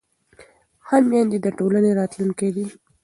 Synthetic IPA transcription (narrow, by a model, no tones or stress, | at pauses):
hammjɑnd̪id̪əʈolaneɾɑt̪luŋked̪i